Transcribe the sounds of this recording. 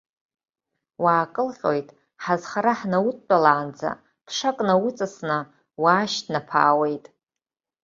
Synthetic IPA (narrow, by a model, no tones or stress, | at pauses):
waːkʼɨlqʲʼo̰jtʼ | ħazχaɾaħnawutʼt͡pʷʼalaːnd͡za̰ | pʰʂakʼnawut͡sʼasnɨ | waːʃtʰnapʰa̰ːwejtʼ